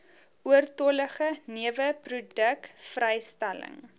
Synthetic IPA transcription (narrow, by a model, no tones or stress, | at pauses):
uərtɔləχəniəvəprudəkfrɛjstælə̰ŋ